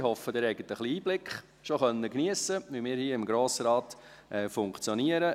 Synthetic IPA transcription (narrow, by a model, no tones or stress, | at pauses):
hɔfədɛɾɛɪɡət̪əχliiːb̥lɪkχ | ʃoχœnːəkniəsəʋimɪːɾhiːɪmɡɾoːsɾɑːt | ʔɛːfʊŋkt͡sjɔniəɾə